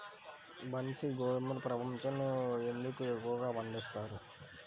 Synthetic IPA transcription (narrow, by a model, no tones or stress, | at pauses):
bɐnsiɡoɭmuɾpɾɐbɐmt͡ʃɐnuend̪ukuekːuɡaːʋɐnd̪ist̪aːɾu